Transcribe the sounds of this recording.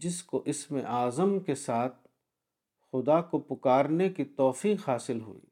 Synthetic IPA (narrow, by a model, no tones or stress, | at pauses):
d͡ʒɪskoʔɪsmḛ̃ʔaːzəmkesaːt̪̚ʰ | xʊd̪akopʊkaːɾnekit̪ɔːfiːqɦaːsɪlɦṵḭː